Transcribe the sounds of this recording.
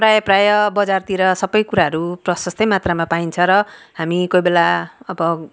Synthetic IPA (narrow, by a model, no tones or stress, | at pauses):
prajʌprajʌbʌd͡zart̪iɾʌsʌbʌjkuɾaɦʌɾuprʌsʌst̪ʌjmat̪ramapaint͡sʰʌɾʌɦamikojbelaʌbʌ